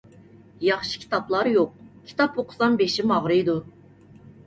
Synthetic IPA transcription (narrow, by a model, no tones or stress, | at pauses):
jɑχʃi̥kʲʰi̥t̪ʰɑplˠɑɾjoq̚kʲʰi̥t̪ɑpoqʰʊ̥sɑnbeʃimɑʁɾɨjd̪u